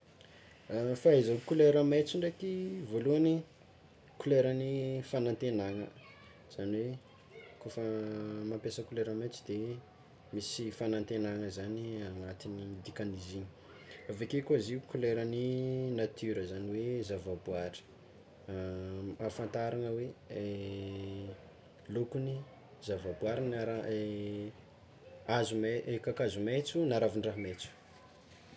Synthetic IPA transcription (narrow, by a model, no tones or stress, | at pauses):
afaezakuleɾəmet͡siɳɖ͡ʐekivoluani | kuleɾənifanant̪enaŋə | z̥aniwe | kofəmampesəkuleɾəmet͡sid̪̥e | misifanant̪enaŋəzaniaŋat̪inid̪ikaniziɲi̥ | avekekoziukuleɾəninat̪ʰyɾəzaniwezavabuaɾi̥ | afant̪aɾaŋəwee | lokuni | zavabwaɾinaɾa | azumeʔekakazumet͡sunaɾavinraɦmet͡su̥